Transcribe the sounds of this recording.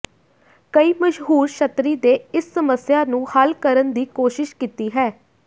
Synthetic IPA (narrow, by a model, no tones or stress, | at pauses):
kəiːməʃɦuːɾʃət̪ɾiːd̪eːɪsːəməsjaːnũːhəlkəɾənd̪iːkoːʃɪʃkiːt̪iːɦɛː